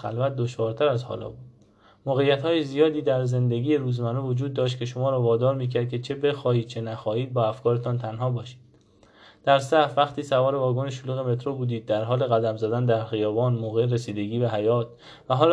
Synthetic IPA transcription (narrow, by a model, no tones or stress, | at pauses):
xæ̰lvæt̪̚d̪oʃvɒːɾt̪ʰæɾæzhɒ̰ːlɒ̰ːbuːdd̥ | moːɣe̞jːæt̪hɒːjezijɒːd̪iːd̪æɾze̞nd̪e̞ɡiːjeɾuːzmænuvod͡ʒuːd̪̚ːɒːʃ̬t̪̚cʰe̞ʃomɒːɾɒːvɒːd̪ɒːɾmiːcʰæɾd̪kcʰe̞t͡ʃʰe̞be̞xɒːhiːd̪̥̚t͡ʃʰenæxɒːhiːd̪̚bɒːæfkʰɒːɾet̪ʰɒnt̪ʰænɦɒːbɒːʃi̥ːd̥̪ | d̪̥æɾsævæχt̪ʰiːsævɒːɾe̞vɒːɡoneʃoluːɣe̞me̞t̪ʰɾobuːd̪iːd̪̚ːæɾɦɒːle̞ɣæd̪æmzæd̪ænd̪æɾxijɒːvɒːnmoːɣeɾesiːd̪eɟiːbæɦæjɒːt̪̚ʰ | væɦɒːl